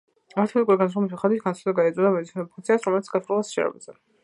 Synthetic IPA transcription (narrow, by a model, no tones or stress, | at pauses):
aɾt̪ʰɛmnikʼuɾiɡansɾɔmis̬iχad̪it̪ɡansʰad̪ɛɡaɛzʼɔd̪amɛd̪isnɛɾɛɔpʰuŋkt̪sʰiasɾɔmɛlit̪sʰɡasɾulˠasʃɛ̰ɾɛ̰bazɛ